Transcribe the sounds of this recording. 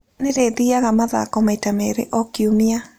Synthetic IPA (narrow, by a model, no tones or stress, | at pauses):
neɾeðiaɣamaða̰kɔmaitameɾḛʔɔkiomia